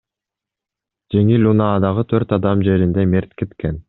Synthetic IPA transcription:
d͡ʒe̞ŋilʲunɑːd̪ɑʁɯt̪ʰøɾt̪ɑd̪ɑmd͡ʒe̞ɾind̪emeɾt̪ket̪ken

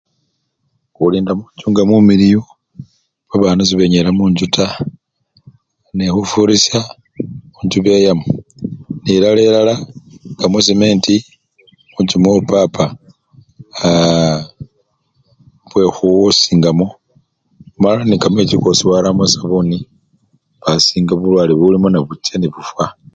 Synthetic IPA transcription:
uliːndamuɲt͡ʃuːŋɡamumiɾijo | βaβaːnuziβeɲeɾamuɲd͡ʒuta | nexufuɾisa | uɲd͡ʒuβejamoniɾaleɾalaŋɡamosimeːnti | mut͡ʃimopapa | βwe̞xuwosiːŋɡamo | malanikamwet͡ʃikosiwaɾamasaβoni | βasiːŋɡaβulwaːliβulimonaβut͡ʃeniβufwa

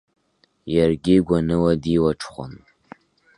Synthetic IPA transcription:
jarɡʲɪɡʷanɨwadiwaʈ͡ʂʰχʷʊ̰m

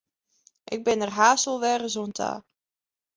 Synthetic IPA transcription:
ʔɪɡ̚bɪnərɦaːsəlˠʋɛːrəzontʰa̰ː

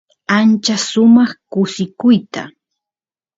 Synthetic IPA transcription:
ant͡ʃasʊmɑχkʊsɪkʊjt̪a

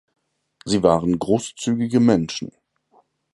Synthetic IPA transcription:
ziːvaːʁənɡʁoːst͡syːɡɪɡəmɛnʃn̩

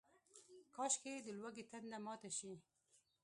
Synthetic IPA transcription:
kɑʃked̪əlwaɡet̪and̪amɑt̪aʃi

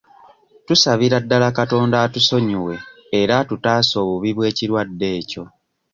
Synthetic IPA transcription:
tusaβiɾadːalakato̞ːndaːtuso̞ɲiwe̞ː | ɾatutaːso̞ːβuβiβwe̞ːciɾwadːe̞ːco̞

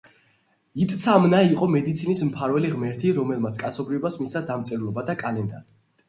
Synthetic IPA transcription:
it̪ʼt̪sʰamnaiqʼɔmɛd̪it̪sʰinismpʰaɾvɛliʁmɛɾt̪ʰiɾɔmɛlˠmat̪sʰkʼat̪sʰɔbɾiɔbasmisad̪amt̪sʼɛɾlˠɔbad̪akʼalɛnd̪a

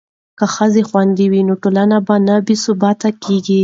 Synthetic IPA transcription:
kəxəzexwand̪ewinoʈolanabanabisʊbɑt̪akeɡi

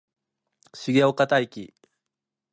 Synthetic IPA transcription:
ɕiɡʲeokat̪aikʲi

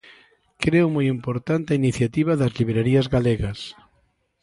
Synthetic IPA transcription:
kɾeʊmojimpoɾt̪ant̪ainiθjat̪iβɐðɐzliβeɾaɾiɐzɣaleɣɐs

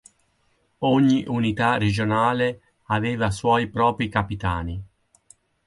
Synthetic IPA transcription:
ɔɲːiʔunit̪ared͡ʒonaːle | aveːvaswɔjpɾɔːpɾikapit̪aːni

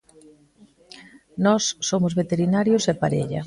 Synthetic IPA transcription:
nɔsːomʊzβet̪eɾinaɾjosɛpaɾḛʎɐ̰

